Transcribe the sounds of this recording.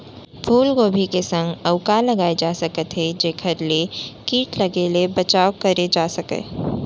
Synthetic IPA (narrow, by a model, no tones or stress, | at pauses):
pʰuːlɡoːbʱikesə̃ŋɡəʊkalɐɡaːed͡ʒaːsəkət̪ɦed͡ʒeːkʰəɾlekiːʈləɡelebɐt͡ʃaːokəɾed͡ʒaːsɐkə̰